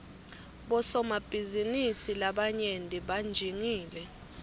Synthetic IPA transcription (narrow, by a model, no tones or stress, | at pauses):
ɓɔsɔmab̥ʱizinisilaɓaɲendʼʱiɓand͡ʒʱiŋiːlɛ